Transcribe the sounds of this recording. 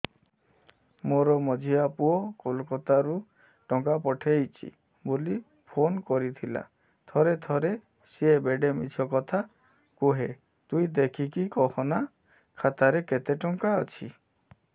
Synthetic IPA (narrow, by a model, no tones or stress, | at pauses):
moɾɔmɔd͡ʒʱiapuɔkolkɔt̪aɾu | ʈɔŋkapɔʈʰejt͡ʃʰḭ | boli | pʰonkɔɾit̪ʰila̰ | t̪ʰɔɾet̪ʰɔɾe | siebeɖemḭt͡ʃʰɔkɔt̪ʰa | kuɦe | t̪uid̪ekʰikikɔkʰɔna | kʰat̪aɾeket̪eʈɔŋkaɔt͡ʃʰi